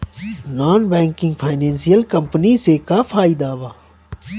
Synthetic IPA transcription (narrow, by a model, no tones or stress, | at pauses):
naːnbɛ̃ːŋkɪ̃ŋɡpʰaːɪnɛ̃ːnsijəlkəmpniːseːkaːpʰaːiːd̪aːʋaː